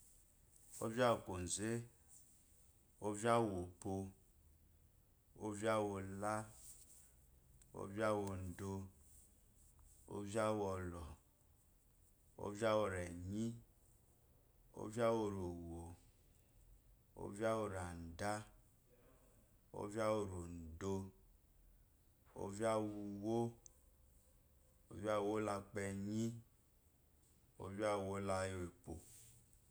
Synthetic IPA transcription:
o̰˦vi˦a˦o˨ko˨n̩˨ze˦ | o˦va˦˨wo˨po˧ | o̰˦vja˦wo˨la˦ | o̰˦va˦wo˨n̩˨do˧ | o̰˦va˦wɔ˨lɔ˨ | o̰˦vi˦a˦wo˨ɾɛ˨ɲi˦ | o̰˦vi˦a˦wo˨ɾo˨wo˨ | o̰˦vi˦a˦wo˨ɾa˨n̩˨da˦ | o̰˦vi˦a˦wo˨ɾo˨n̩˨do˧ | o̰˦vi˦a˦wu˧wo˦ | o̰˦va˦˨wo˦la˧k͡pɛ˧ɲĩ˦ | o̰˦vi˦a˦˨wo˦la˦jo˦e˨po˨

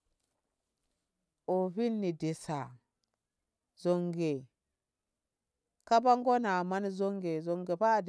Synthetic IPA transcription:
o˨βi˦nːi˨di˨sa˨ | zo˨ŋɡe˨ | ka˦ba˦ŋ˦ɡo˦na˨ma˦n˦zo˦ŋɡe˨zo˨ŋɡe˨pa˦˨d

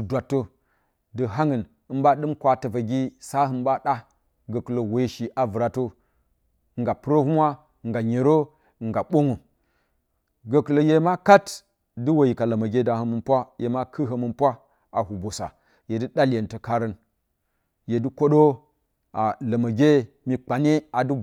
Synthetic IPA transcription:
dɨ˨dwa˨tːo˦ | dɨ˨ɦa˦ŋə˨n | ɨ˦mba˦ɗɨ˦mkʷa˦tɐ˨va˨ɡʲi˦sa˦ɦɨ˨mba˦ɗa˦ | ɡə˨ku˨lo˨we˨˦ʃi˨ʔa˨vɨ˨ɾa˨to˦˨ | ŋɡa˨pɨ˦ɾo˦hu˦mʷa˦˨ | ŋɡa˨ɲe˨ɾo˦˨ | ŋɡa˨ɓo˦ŋo˨ | ɡə˨ku˨lo˨je˨˦ma˦ka˦t | dɨ˦wo˨ji˨ka˨la˨ma˨ɡʲe˦da˨hə˨mə˨npʷa˦jḛ˨ma˦kʰɨ˦ɦə˨mɨ˨npʷa˦ | a̰˨hu˨bo˨sa̰˨ | je˨dɨ˦ɗa˦lje˨ntə˨ka˦ɾə˦n | je˨du˦ko˦ɗo˦ | a˨la˨ma˨ɡʲe˦ | mi˨k͡pa˨ne˦a˨du˦

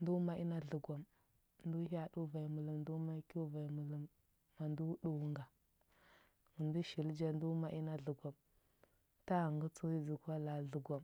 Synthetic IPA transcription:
ndu˦ma˦i˦na˦ɮu˨ɡʷa˨m | ndu˦ɦa˦ɗu˦va˨i˨mu˨lu˨mndu˦ma˦ku˦va˨i˨mu˨lə˨mː | a˨ndu˦ɗu˨wŋɡa˨ | ŋu˨ndu˦ʃi˨ld͡ʒa˦n˦du˦ma˦ʔi˦na˦ɮu˨ɡʷa˨m | ta˦˨ŋɡu˦t͡su˦i˦zi˨ka˦la˨ɮu˨ɡʷa˨m

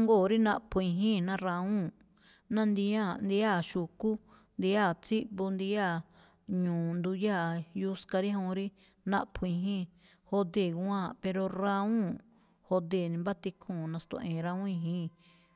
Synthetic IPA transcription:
ŋɡo˦˨ɾi˦nã˦ʔpʰũ˧ĩ˧ɦĩ˦˨nã˦ɾa˧ũ˦ | nã˦nd̪i˧ã˦˨nd̪i˧˦a˦˨ʃu˨ku˦ | nd̪i˧˦a˦˨t͡si˦ʔbu˧nd̪i˧ja˦˨ | ɲũː˨nd̪u˧ja˦˨ju˧˦ska˧ɾi˦ɦõ˧ɾi˦ | nã̰˦ʔpʰũ˧ĩ˧ɦĩ˦ | ho˧d̪e˧˨ɡu˧ã˦˨pe˧ɾo˧ɾa˧ũ˦ | ho˧d̪e˨nĩ˧mba˦t̪i˧kʰũː˦˨nã˧st̪õ̰˧ʔẽ˨˧ɾa˧ũ˦ĩ˧ɦĩː˦

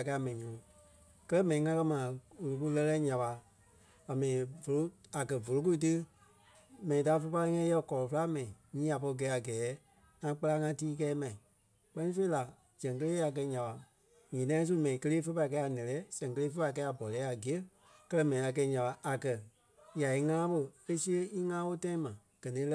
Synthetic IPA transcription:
ka˧a˨mɛ̃˨ĩ˨ɲũː˨˦ | kɜ˦ɛ˦mɛ̃˨nĩ˨ŋã˦kɜ˧˦mãː˨o˨lo˨k̬u˧˦lɛ˧lɛː˦ɲã˨ɓa˧ | a˨mɛ̃˨ĩ˨vo˨lo˦a˨kɜ˨vo˨lo˦k̬u˦i˦˧t̬ɨ˦ | mɛ̃˨nĩ˨taː˦fə˧˦pa˧li˦ŋɛ̃˧˦jɛ˧˨kɔ˨lɔ˨fə˦la˦mɛ̃˨ĩ˨ɲĩː˦a˨pɔ˧i˧ɡɛː˨˦a˨ɡɛː˨˦ | ŋã˧k͡pa˦˧la˧˦ŋã˧tiː˦kɛː˦mɛ̃˨ĩ˨ | k͡pɜ˦nĩ˦fe˧˦i˦la˨ | d͡ʒɛ̃˨ŋk̬ə˧leː˦a˨k̬ɜ˧ɲã˨ɓa˨ | ɲĩ˨nã˧˦ĩ˦s̬u˦mɛ̃˨ĩ˨kə˧leː˦fə˧˦pa˧˨kɛ˧˦a˨nɛ̃˨lɛː˨˦sɛ̃˨ŋkə˧leː˦fə˦pa˧˨i˨kɛː˧˦a˨bɔ˨lɛː˨˦a˨ɡi˨ə˦ | kɜ˦lɜ˧˦mɛ̃˨nĩ˨a˨kɛ˧i˦ɲã˨ɓa˨ʔa˨kɜ˨ | ja˨i˧ŋãː˦ɓo˧e˦si˦ə˧i˦ŋãː˦wo˦tã˦ĩ˦mã˨ | ɡ̥ɜ˨nĩː˨˦l

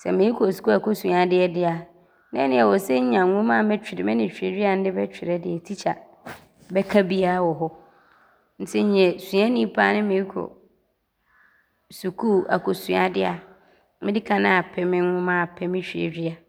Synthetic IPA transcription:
sɛ̰˨mɪ̃˨˦i˦kʰo˨su̥˨kʰu˦a˨kʰo˨sũ˨a˦dɪ˦ɛ˦˨dɪ˦a˨ | nɛ̃˦nɪ̃˦ɛ˨wɔ˨sɛ˦ɲ̩˦ɲã˨ŋʊ̃˦mã˦˨mɛ˦t͡ɕᶣɪ˨ɾɪ˨mɪ̃˦nɪ̃˨ɕᶣḛ˨dᶣi˦a˨n̩˦dɪ˦bɛ˦t͡ɕᶣɪ˨ɾɛ˦dɪ˨ɛ˨tʰi˦t͡ɕʰa̰˨ | bɛ˦kʰa˦bi˦a˦wɔ˨ɦɔ˦ | n̩˦tʰɪ˦ɲ˦ɲɛ̃˨sũ˨a˦nĩ˦pʰa˦nɪ̃˦mɪ̃˨˦kʰɔ̰˨ | su˨kʰu˦a̰˨kʰo˨sũ˨a̰˨dɪ˦a˨ | mɪ̃˦dɪ˦kʰã˨nã˦a˨pʰɛ˦mɪ̃˦ŋʊ̃˦mã˦˨pʰɛ˦mɪ̃˦ɕᶣi˨ḛ˨dᶣi˦a˨

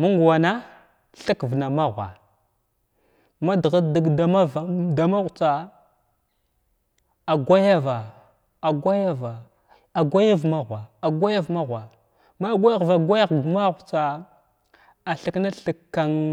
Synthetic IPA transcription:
ma˦ŋɡwa˨na˦ | ɬə˦kvna˨ma˦ɣʷa̰˨ | ma˦dɣa˦di˦ɡda˨ma˦vda˨ma˦ɣt͡sa˨ | a˨ɡʷa˦ja˦va˨ | a˨ɡʷa˦ja˦va˨ | a˨ɡʷa˦ja˦vma˦ɣʷa˨a˨ɡʷa˦ja˦vma˦ɣʷa˨ | ma˦ɡʷa˦a˦ɣva˨ɡʷa˦ja˦ɣma˦ɣu˨t͡sa˨ | a˨ɬə˦kna˦ɬə˨kːa˨ŋ

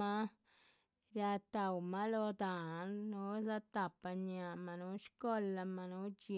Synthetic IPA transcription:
a˦ | ɾja˧t̪a˨wma˦lo˧d̪a˨˦nːu˧˦za˧t̪a˨pa˧ɲa˨ʔma˧nu˦ʃko˦la˧ma˧nu˦d͡ʒi˧

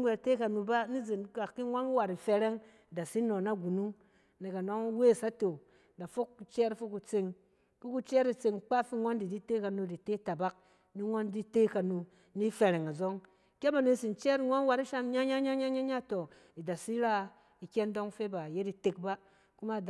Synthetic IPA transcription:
ŋʷe˨ɾte˦ka˨nu˧ba˦ni˦ze˨n˦ka˨kːi˦ŋʷa˦n˦wa˨ɾi˨fe˧ɾe˦ŋ˨ | da˨si˦no˨na˦ɡu˨nu˦ŋ | ne˨ka˨no˦ŋ˦we˦˨sa˦to˨ | da˨fo˦kːt͡ʃɛ˦ɾfo˦kːu˨t͡se˧ŋ | ki˦ku˧t͡ʃɛ˦ɾi˨t͡se˧ŋk͡pa˦fi˦ŋʷo˦ndi˨di˦te˦ka˨nu˧di˨te˦ta˨ba˦k̚ | ni˦ŋʷo˦ndi˦te˦ka˨nu˧ | ni˦fe˨ɾe˨ŋa˨zo˦ŋ | kʲe˦ba˨ne˧si˨nt͡ʃɛ˦ɾi˨ŋʷa˦n˦wa˧ɾi˦ʃa˦m˦ɲa˦ɲa˦ɲa˦ɲa˦ɲa˦ɲa˦˨to˨ | i˨da˨si˦ɾa˦ | i˨kʲe˦ndo˦ŋfe˦ba˨je˦di˨te˨k̚ba˦ | ku˦ma˦˨d

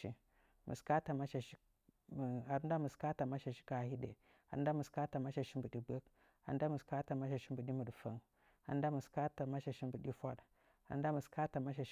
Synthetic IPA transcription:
ḭ˦ | mṵ˨ska˦ta˨ma˦ʃa˨ʃi˦˨ | a˨ɾda˦mu˨ska˦ta˨ma˦ʃa˨ʃi̥˦ka˨hi˦ɗḛ˨ | a̰˨ɾn˦da˦mu˨ska˦ta˨ma˦ʃa˨ʃi˦mbu˨ɗi˨˦be˦k | a̰˨n˦da˦mu˨ska˦ta˨ma˦ʃa˨ʃi˦mbu˨ɗi˦mu˨ɗfa˦ŋ | a̰˨˦n˦da˦mu˨ska˦ta˨ma˦ʃa˨ʃi˦mbu˨ɗi˦fa˦ɗ | a̰˨˦da˦mu˨ska˦ta˨ma˦ʃ̬a˨˦

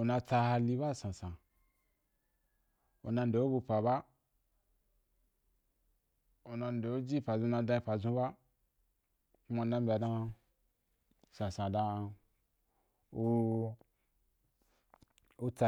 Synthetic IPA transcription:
o˨nã˧t͡sa˧ha˧li˧˦ba˦˨sã˨sã˨ | o˨nã˧n˨do˨o˦bu˧pa˨ba˦ | o˨nã˧ndo˨o˦d͡ʒi˦pa˨zũ˧nã˧dã˧i˧pa˨zũ˧˦ba˦ | ku˦ma˧˨nã˧mbʲa˨dã˧ | sã˨sã˨da˧ | o˧ | o˧t͡sa˧

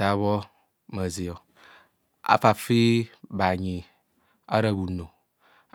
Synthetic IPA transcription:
a˨˦βɔ˦ | mə˨zi˨ɔ˨ | a̰˦fa˨fi˦ba˨ɲĩ˨ | a˦ɾə˦bu˨nõ˨

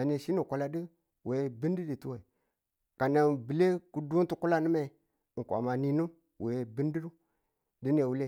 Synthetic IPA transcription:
a˨ne˨ʃi˦ni˨kʷa˨la˨di˦ | we˨bi˦n˦di˦di˨tu˦we˨ | ka˨na˨bi˨le˦ku˦du˦n˦tu˦ku˦la˦nə˦me˨ | ŋ̩˨kʷa̰˨ma˨ni˦nu˦ | we˨e˨bi˦ndi˦du˦ | di˦ne˨wu˦le˦˨

